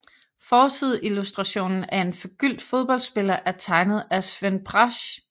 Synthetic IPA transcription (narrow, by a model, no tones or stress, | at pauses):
fɒːt͡sʰið̞̰ˠilusd̥ʁɑ̈ɕo̝̰ːnn̩æɐe̝nfɒ̽ɡ̥yl̰d̥fo̝ð̞ˠb̥ɒ̽l̰dsb̥e̝lɐʔæɐt͡sʰɑ̈ɪnəð̞̩ˠæsʋenbʰʁɑɕ